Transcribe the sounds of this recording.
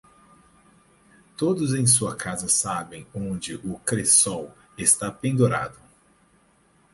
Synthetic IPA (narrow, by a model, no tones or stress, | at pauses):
t̪od̪ʊzẽj̃suɐkazɐsabẽj̃õnd͡ʒɪʔʊkɾesɔw | est̪apẽnd̪oɾa̰d̪ʊ